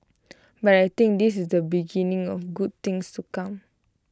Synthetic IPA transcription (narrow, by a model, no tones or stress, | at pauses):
batajt̪ĩŋk̚d̪isisdəbiɡinĩŋɔfɡud̚t̪ĩŋstukãm